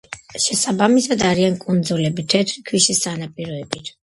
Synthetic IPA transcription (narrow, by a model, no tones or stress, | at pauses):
ʃɛsabamisad̪aɾiankʼund̪zulɛbit̪ʰɛt̪ʰɾikʰwiʃisanapʼiɾɔɛbit̪ʰ